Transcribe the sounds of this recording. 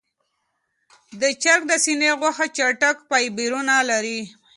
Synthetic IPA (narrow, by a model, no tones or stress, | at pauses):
d̪ət͡ʃaɾk̚d̪əsineɣwaxat͡ʃaʈakpajbiɾunalaɾi